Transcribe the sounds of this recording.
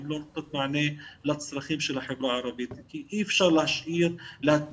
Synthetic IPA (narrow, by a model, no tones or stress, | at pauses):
bloːn̚t̪ːɑt̪maʕneːlat̪ɪ̥sˤɾɑxiːmʃilaħɪbɾɑʕɑɾˤɑbiːt̪ikikiːfʃaɣlhaʃʕiːɾla